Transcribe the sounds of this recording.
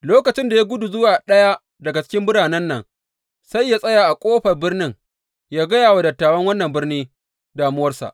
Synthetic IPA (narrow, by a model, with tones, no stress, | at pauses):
loː˦kɐ˨t͡ʃɪ˦nda˨ja˦ɡʷʊ˦du˨zʊ˦waː˨ɗɐ˦ja˦ | dɐ˨ɡa˨t͡ʃɪ̥˦kʲɪ˦mbʊ˦ɽaː˨nɐ˦nːɐ˨ŋ | sa˦jːa˦sʼɐ˦jaː˨ʔa˨kʷʼoː˦ɸɐ˨rbɪ˦rnɪ˦ŋ | jaː˦ɡɐ˦jaː˨wa˨dɐ˨tːaː˨wɐ˦ŋwɐ˦nːɐ˨mbɪ˦rniː˦ | daː˨mʊ˦wɐ˦rsa̰˨ʔ